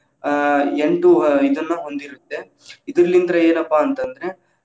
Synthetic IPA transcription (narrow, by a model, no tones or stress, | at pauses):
eɳʈuid̪ɐnːɐɦo̞nd̪iɾut̪ːe̞ | id̪ɾɐlːind̪ɐɾɐeːnɐpːaːnt̪ɐnd̪ɾe̞